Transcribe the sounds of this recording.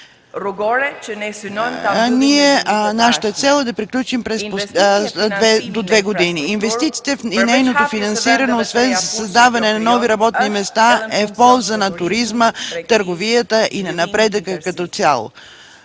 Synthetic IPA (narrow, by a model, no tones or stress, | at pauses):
niɛnaʃə̥t̪ət̪sɛlˠd̪ɐpɾiklʲut͡ʃimpɾɛsposd̪vɛd̪od̪vɛɡod̪iniːnvɛst̪it̪si̥t̪ɛinɛjnot̪ofinɐnsiɾənɛosvɛnzsɐzd̪avɐnɛnɐnɔviɾɐbɔt̪̚nimɛst̪aɛfpɔlˠzənɐt̪ʊɾizmət̪əɾɡovijət̪əʔinɐnɐpɾɛd̪əkəkɐt̪ɔt̪sʲja̰lˠo̰